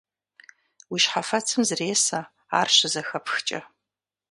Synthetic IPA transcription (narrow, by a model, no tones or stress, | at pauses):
wiʃħafɐt͡sʰɨmzreːsa | a̰ːrɕʷɪzɐxɐpʰxt͡ʃʼɐ̰